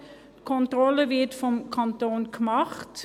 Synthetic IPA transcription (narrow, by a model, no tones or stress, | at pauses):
kʰɔntrɔləvɪtfɔmkʰɑntoːnkmɑχt